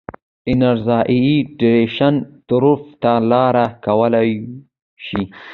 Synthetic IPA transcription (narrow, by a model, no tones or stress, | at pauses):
ɪnaɾzɑʔiiɖɪɾeʃant̪ʊɾuft̪alɑɾakawəla | ʃi